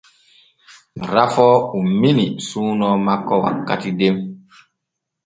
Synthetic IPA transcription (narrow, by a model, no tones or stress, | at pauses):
ɾafɔuminisuːnɔmakːɔwa̰kːatidem